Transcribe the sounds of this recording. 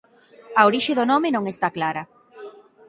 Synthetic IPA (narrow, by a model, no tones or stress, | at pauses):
ɐoɾiʃeðonomenõŋest̪aklaɾɐ